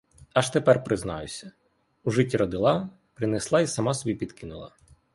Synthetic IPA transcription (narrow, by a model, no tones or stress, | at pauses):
ɑʃt̪epɛrpɾɪznɑ̰jʊ̰sʲɐ | uʒɪtʲːiɾɔd̪ɪlˠɑ | pɾɪneslˠɑisɐmɑsɔbʲipʲid̪kɪnʊ̰lˠɑ̰